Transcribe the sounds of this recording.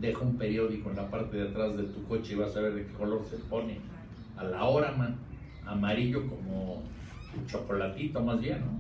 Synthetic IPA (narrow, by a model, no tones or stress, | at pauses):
d̪e̞xoumpe̞ɾjo̞ðikoenlapaɾt̪e̞ðet̪ɾazðe̞t̪uko̞t͡ʃeiβasaβe̞ɾðeke̞ko̞lo̞ɾsepo̞ne | alao̞ɾamã | amaɾiʎo̞ko̞mo | t͡ʃo̞ko̞lat̪it̪o̞mazβje̞nːo